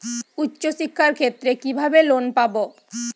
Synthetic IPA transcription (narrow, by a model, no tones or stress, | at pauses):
utːɕoʃikʰːaɾkʰet̪ːɾekibʱabelonpabo